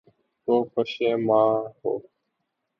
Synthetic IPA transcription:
t̪oːkʰəʃẽːmãːɦo̰ː

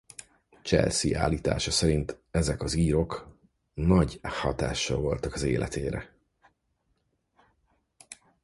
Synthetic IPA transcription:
t͡ʃɛ̰lsiʔa̰ːlːiːt̪a̰ːʃɒsɛɾint̪ɛzɛkɒziːɾo̞k | nɒɟhɒt̪aːʃɒ̰vo̞lt̪ɒkɒzeːlʔɛ̰t̪ʰeːɾɛ

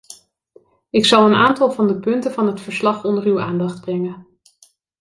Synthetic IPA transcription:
ɪksɑlˠəna̰ːntɑlˠvɑndəpɵntəvɑnɦətfəɹslɑχɔndəɹywaːndɑχd̚brɛŋən

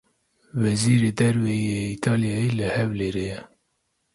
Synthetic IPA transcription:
vɛziːɾed̪ɛɾvɛjeit̪ʰɑːlijɑjelɨhɛvleːɾeːjɛ

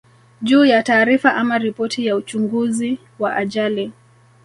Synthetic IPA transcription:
ʄuːjataːɾifaʔamaɾipɔtʰijaut͡ʃuŋɡuzi | waʔaʄali

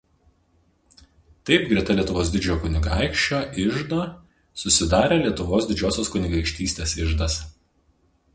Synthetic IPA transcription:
t̪ɐɪp̚ɡɾʲɛt̪ɐlʲiɛt̪ʊʋoːsd̪ʲɪd͡ʒʲɛjoːkʊnʲɪɡɑˑɪkʃʲt͡ʃʲoːʔɪʒd̪oː | sʊsʲɪd̪ɑːɾʲeːlʲiɛt̪ʊʋoːsd̪ʲɪd͡ʒʲoːsʲoːskʊnʲɪɡɐɪkʃʲt̪ʲiːsʲt̪ʲeːsɪʒd̪ɐs

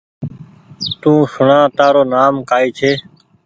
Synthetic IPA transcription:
t̪ũːsʊɳãːt̪aːɾoːnaːmkaːiːt͡ʃʰeː

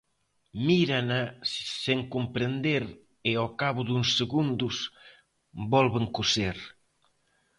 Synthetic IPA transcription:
miɾanasseŋkumpɾend̪eɾ | eɔkaβud̪uŋsːeɣund̪us | bɔlβeŋkuseɾ

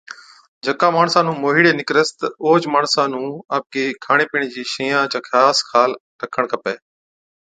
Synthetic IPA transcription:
d͡ʒʱəkãːmaːɳsãːnũːmoːɦiːɽeːnɪkɾəst̪oːt͡ʃmaːɳsãːnũːaːp̚keːkʰaːɽ̃eːpiːɳ̃d͡ʑiːʃĩːjãːt͡ʃãːkʰaːskʰaːl | ɾəkʰəɳ̃kʰəpeː

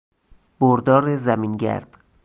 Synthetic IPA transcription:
b̥oɾd̪ɒːɾezæmiːnɟæ̰ɾd̪̥

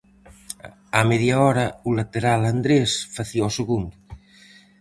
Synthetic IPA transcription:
ameðjaɔɾaulat̪eɾaland̪ɾesfaθiɔseɣund̪

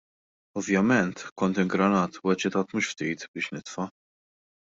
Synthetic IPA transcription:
ɔvjɐmɛnt̪kɔnt̪ɪŋɡɾɐnɐːt̪uːɛt͡ʃːɪt̪ɐːt̪muːʃft̪iːt̪bɪːʃnɪt̪fɐ

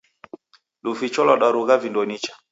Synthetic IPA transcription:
lufit͡ʃɔlɔɗaɾuɣavindɔnit͡ʃḁ

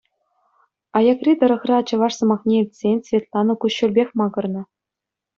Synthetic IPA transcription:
ɑjɑkrʲit̪ɤ̆ɾɤ̆χrʲɑɑt͡ɕɤ̆ʋɑʂsɤ̆mɑχnʲeilʲtʲsʲenʲsʲvʲet̪lˠɑnɤ̆kuɕːŭrʲbʲexʲmɑɡɤ̆rnɤ̆

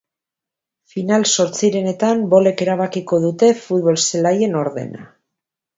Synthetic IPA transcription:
finalso̞ɾt͡siɾe̞ne̞t̪ambo̞le̞ke̞ɾaβ̞akiko̞ðut̪e̞fut̪βo̞lselaje̞no̞ɾðe̞̰na̰

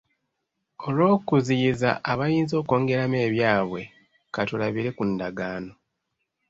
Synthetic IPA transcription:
o̞lwo̞ːkuziza̰ʔːβajiːnzo̞ːko̞ːŋɡe̞ɾame̞ːβjaːβwe̞ | katulaβiɾe̞kundaɡaːno̞

